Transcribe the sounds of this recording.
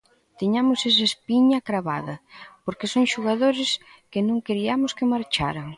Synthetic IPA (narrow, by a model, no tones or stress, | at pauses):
t̪iɲamʊses̬aspiɲɐkɾaβa̰ðɐpoɾkesoŋʃuɣaðoɾɪs | kɪnõŋkeɾiamʊskɪmaɾt͡ʃa̰ɾaŋ